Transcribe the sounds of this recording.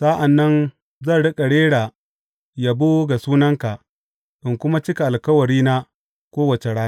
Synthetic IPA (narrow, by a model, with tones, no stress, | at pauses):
sa˦ʔa˨nːɐ˦n | zɐ˦˨ɽɪ˦kʼa˨ɽeː˦ɽaː˨ | ja˨boː˦ɡa˨suː˦nɐ˦ŋka˨ | ʔɪ˨ŋkʷʊ˦ma˦t͡ʃɪ˦ka˨ʔa˨lkɐ˦wɐ˨ɽiː˦na˦ | kʷoː˦wɐ˨t͡ʃe˨ɽaː˦n˦